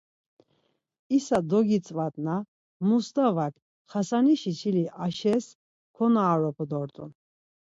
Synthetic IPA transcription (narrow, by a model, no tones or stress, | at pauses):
isad̪ɔɡit͡s̪ʼvat̪ʼna | must̪avakʰ | χasaniʃit͡ʃʰiliʔaʃɛs | kʰɔnaːɾɔpʰɔd̪ɔɾt̪ʼṵn